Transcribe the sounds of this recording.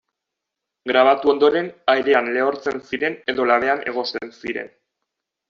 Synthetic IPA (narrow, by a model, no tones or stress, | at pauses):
ɡɾaβ̞at̪uo̞nd̪o̞ɾe̞najɾe̞anle̞o̞ɾt͡se̞nsiɾe̞ne̞ðo̞laβe̞ane̞̰ɣ̞o̞sensiɾe̞̰n